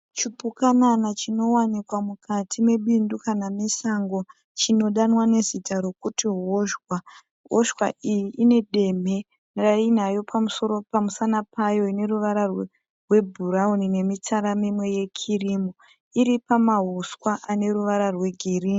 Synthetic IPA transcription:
t͡ʃipukananat͡ʃino̞wanikwamukatʰime̞ɓindukanamisaŋɡo̞ | t͡ʃino̞ɗanwane̞zitaɾo̞kutiɦoʃwa | ɦoʃwa̰ʔijiʔːne̞ɗe̞me̞ | rainajo̞pʰamuso̞ɾopamusanapʰajo̞ine̞ruʋaɾarw | rwe̞bʱuɾaunine̞mit͡saɾamimwe̞je̞kʰirimo | iɾipamaɦuskwaʔane̞ɾuʋaɾarwe̞ɡʱirini

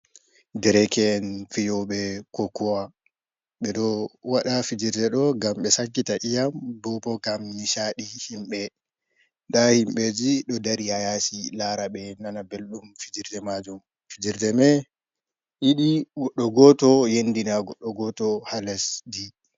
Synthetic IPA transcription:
dɛɾɛkɛnfijɔɓɛkokːuwa | ɓɛɗɔwaɗafid͡ʒiɾdɛɗɔɡamɓɛsakːitaʔijambɔpɔɡamniʃaɗihimɓɛ | dahimɓɛd͡ʒiɗɔdaɾihajasilaɾaɓɛnanabelɗumfid͡ʒiɾdɛmad͡ʒum | fid͡ʒiɾdɛmɛ | ʔiɗiɔɗɔɡɔtɔjendinaɡɔɗɔɡɔtɔhalɛsdi

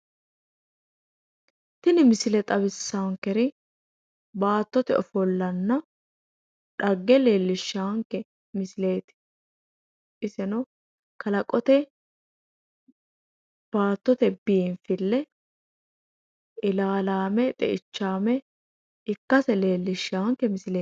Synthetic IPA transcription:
t̪ɪnɪmɪsɪlɛt̪ʼɐβɪsːaːŋkːɛɾɪ | baːt̪ːɔt̪ɛɔfɔlːɐnːɐ | ᶑɐɡːɛle̞ːlːɪʃːaːŋkːɛ | mɪsɪle̞ːt̪ɪ̥ | ʔɪsɛnɔ | kɐlɐkʼɔt̪ɛ | b̥aːt̪ːɔt̪ɛbiːnfɪlːɛ | ʔɪlaːlaːmɛt̪ʼɛ̰ʔɪt͡ʃːaːmɛ | ɪkːɐsɛle̞ːlːɪʃːaːŋkːɛmɪsɪleː

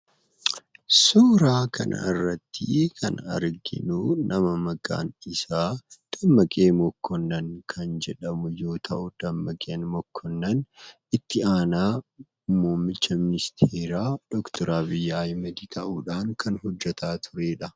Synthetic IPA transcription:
soːɾaːkʰɐ̰nʔɐ̰ɪrːɐt̪ʰːɪ̰kʰɐnɐ̰ɾɡɪ̰nuːnɐmɐmɐɡa̰ːnɪsaːd̪̥ɐmːɐkʼeːmɔkːɔnːɐŋkʰɐnd͡ʒɛᶑɐmʊjo̞ːt̪ʰɐʔʊd̪̥ɐmːɐkʼeːnmɔkʰːɔnːɐn | ɪt̪ːɪaːnaː | moːmːɪt͡ʃːɐmɪnɪst̪ʰeːɾaːd̪̥ɔkt̪ʰɔɾaːbɪjːajmɐd̪it̪ʰɐʔuːᶑaːŋkʰɐnɦɔd͡ʒːɛt̪aːt̪ʰʊɾe̞ːᶑɐ

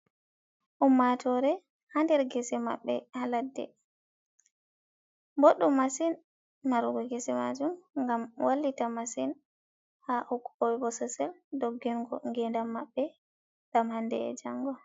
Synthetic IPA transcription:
ʔumːatʰɔɾɛ | handɛɾɡɛsɛma̰ɓːɛhaladːɛ̰ | boɗːumasin | maɾuɡɔɡɛsɛmad͡ʒumŋɡamwʔalːitamasin | haʔukːɔwɛbɔsasɛldɔɡːɛnɡɔŋɡɛndamːaɓːɛ | ɡ̥amhandɛ̰ɛ̰d͡ʒaŋɡɔ

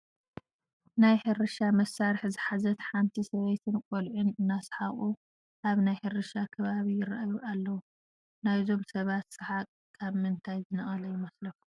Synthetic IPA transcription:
najħɨɾɨʃamɐsːaɾħzɨħazɐt̪ħant̪ʰisɐβejt̪ʰɨnkʼolʕunɨnːasħaχʼu | ʔaβnajħɨɾɨʃakʰɐβaβijɪra̰ʔajuʔalːɐwu | najzo̞msɐβat̪sɨħa | kʰaβmɨnt̪ʰajzɨnɐχʼɐlɐjɪmɐslɐfu̥

